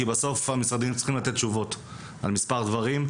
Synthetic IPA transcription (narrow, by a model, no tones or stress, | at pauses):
ibaso̞famisʁad̪imt͡si̥χimlat̪e̞t̪̚t͡ʃuvo̞t | a̰lmispaʁd̪vaʁim